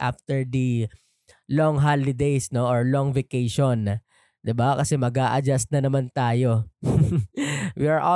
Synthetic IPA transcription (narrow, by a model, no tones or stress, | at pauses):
ʔa̰ft̪ɛɹd̪ɐ | loŋɦalɪd̪ejsno̞ʔoɹlɔŋvɛkejʃon | d̪ɪbakɐsɛmɐɡaːʔɐd͡ʒast̪̚nɐnɐmant̪aːjo | wiɐɹʔo